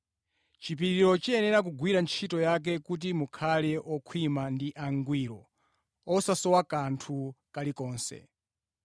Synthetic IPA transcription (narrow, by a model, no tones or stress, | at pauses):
t͡ʃip̬iɾiɾɔt͡ʃiɛnɛɾak̬uɡwiɾant͡ʃʰitɔjak̬ɛkut̬imukʰalɛʔɔkʰwimandiʔaŋɡwiːɾɔ | ɔsasɔwakantʰukalikɔːnsɛ̰